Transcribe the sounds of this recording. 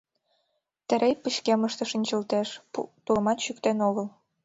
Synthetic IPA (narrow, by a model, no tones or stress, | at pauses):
t̪ɘ̆ɾejpəɕkeməʃt̪ɤ̆ʃinʲt͡ɕəlt̪eʃt̪ulə̆mɑt̪ɕykt̪enoɣəl